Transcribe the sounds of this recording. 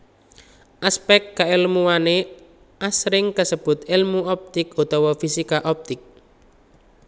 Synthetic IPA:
ʔaspɛkt̚kaelmuwane | ʔasɾɪŋkəsəb̥ʊt̪ilmuɔp̚t̪ɪkut̪ɔwɔfisikaʔɔp̚t̪ɪk̚

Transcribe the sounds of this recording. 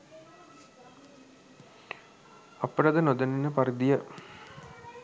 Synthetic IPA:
ɐpːəʈəd̪ənod̪əninːəpaɾid̪ijə

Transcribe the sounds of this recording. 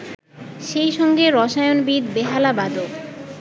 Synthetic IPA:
ʃejʃɔŋɡeɾɔʃajonbid̪beɦalabad̪ok

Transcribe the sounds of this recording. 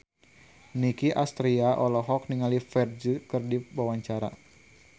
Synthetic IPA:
nikiʔast̪ɾiaʔɔlɔɦɔk̚niŋalifɛrd͡ʒukɨrdiwawaɲt͡ʃaɾa̰

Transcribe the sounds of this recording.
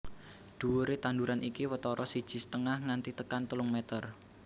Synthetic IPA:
d̪̥ṳwuɾet̪and̪uɾanʔikiwət̪ɔɾɔsid̥ʒ̥i̤sə̥t̪əŋahŋant̪it̪əkant̪əlʊŋmɛt̪ər

